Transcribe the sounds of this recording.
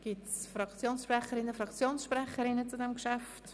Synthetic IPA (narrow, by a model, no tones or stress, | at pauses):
ɡ̥ɪtsfɾɑkt͡sjoːnsʃpɾɛχəɾɪnəfɾɑkt͡sjoːnsʃpɾɛχəɾɪnət͡sudɛmʃæft